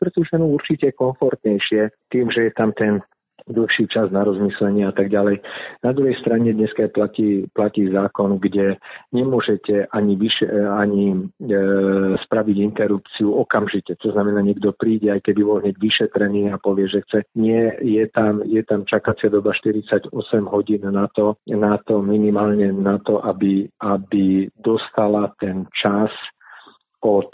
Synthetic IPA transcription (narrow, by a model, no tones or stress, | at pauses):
pɾɛt̪uʒɛnuuɾt͡ʃicɛkɔɱfɔɾt̪ɲɛjʃɪɛt̪iːmʒɛjɛt̪amt̪ɛn | d̪l̩xʃiːt͡ʃaznaɾɔzmislɛɲɪɛat̪aɡɟalɛjnad̪ɾuɦɛjst̪ɾaɲɛd̪ɲɛskajplaciːplaciːzaːkɔnɡɟɛɲɛmʊɔʒɛcɛʔaɲiʋiʃɛaɲi | spɾaʋiɟint̪ɛɾup̚t͡siuɔkamʒicɛt̪ɔznamɛnaːɲɛɡd̪ɔpɾiːɟɛajkɛbibɔlɦɲɛɟʋiʃɛt̪ɾɛniːapɔʋɪɛʒɛxt͡sɛɲɪɛjɛt̪amjɛt̪amt͡ʃakat͡sɪad̪ɔbaʃt̪iɾit͡saɟɔsɛmɦɔɟiːnːat̪ɔnat̪ɔminimaːlɲɛnat̪ɔʔabiabid̪ɔst̪alat̪ɛnt͡ʃas | ɔt̪